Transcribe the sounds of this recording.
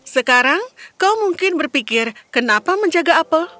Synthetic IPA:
səkaɾaŋkawmuŋkɪnbərpikɪrkənapaməɲd͡ʒaɡaːpə

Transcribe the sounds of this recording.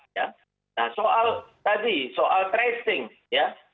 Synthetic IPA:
ja | nahsoʔalt̪adisoʔalt̪ɾɛst̪ɪŋ | ja

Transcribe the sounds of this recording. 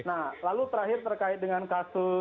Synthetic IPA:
nahlalut̪əɾaɦɪrt̪ərkaɪt̪̚dəŋankasʊ

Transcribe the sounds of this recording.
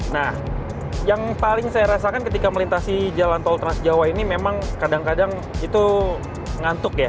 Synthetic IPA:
nah | jaŋpalɪŋsajaɾasakankət̪ikaməlint̪asid͡ʒalant̪ɔlt̪əɾasd͡ʒawainimemaŋkadaŋkadaŋ | it̪u | ŋant̪ʊkja

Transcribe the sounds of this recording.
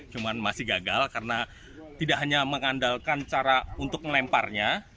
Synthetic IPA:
t͡ʃumanmasɪhɡaɡalkarəna | t̪idaʔɦaɲaməŋandalkant͡ʃaɾaunt̪ʊk̚məlɛmparɲa

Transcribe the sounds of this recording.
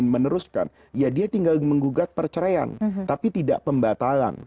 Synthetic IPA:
nmənəɾuska̰n | jadiat̪iŋɡalməŋɡuɡat̪̚pərt͡ʃəɾaa̰nt̪apit̪idaʔpəmbat̪ala̰n

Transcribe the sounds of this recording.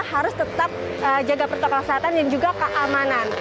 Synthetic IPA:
haɾʊst̪ət̪ap̚ | ʔəd͡ʒaɡapərt̪okakəseɦat̪andand͡ʒuɡakəʔamanan

